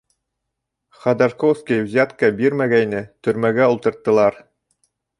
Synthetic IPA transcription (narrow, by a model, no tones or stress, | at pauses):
χɑd̪arkowskʲijvzʲæt̪kɑbiɾmæɡæjnɘt̪ɵ̆ɾmæɡæulˠt̪ɤ̆ɾt̪ːɤ̆lˠɑɾ